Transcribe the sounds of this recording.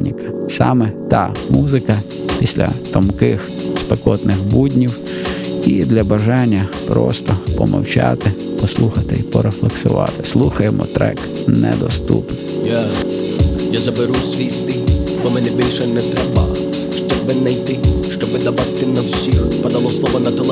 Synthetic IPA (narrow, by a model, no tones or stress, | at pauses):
nʲikɐ̥sɑmɛt̪ɑmuzɪkɐ | pʲisʲlʲɐ̰t̪ɔmkɪxspekɔt̪nɪxbudʲnʲiw | id̪lʲɐbɐʒɑnʲːɐpɾɔst̪ɔpɔmʔɐ̰wt͡ʃɑt̪ɪ | pɔslˠuxɐt̪ɪipɔɾeflˠeksʊ̰ʋɑ̰t̪ɪ̥slˠuxɐjemɔ̰t̪ɾɛ̰k | nɛ̰d̪ɔst̪ṵpnɔja | jazɐbɪɾusʲʋʲijst̪ɪbɔmɛnɛbʲilʲʃɛnɛt̪ɾɛbɐ̰ | ʃt͡ʃɔbɪnɐjt̪ɪʃt͡ʃɔbɪd̪ɐbat̪t̪ːɪnɐwsʲixpɐd̪ɐlˠɔslˠɔʋɐnɐt̪ɛlˠ